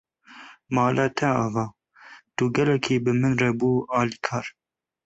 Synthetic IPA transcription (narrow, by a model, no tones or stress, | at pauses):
mɑːlʔɑːt̪ʰɛɑːvɑː | t̪uɡɛlɛkʰiːbɨmɨnrɛbuːɑːliːkʰɑːɾ